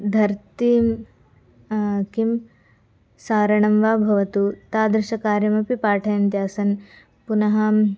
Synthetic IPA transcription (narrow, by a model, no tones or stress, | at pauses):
d̪ʱɐɾt̪im | kim | saːɾɐɳɐmʋaːbʱɐʋɐt̪ut̪aːd̪ɾɐʃɐkaːɾjɐmɐpipaːʈʰɐjɐnt̪jaːsɐn | punɐɦɐ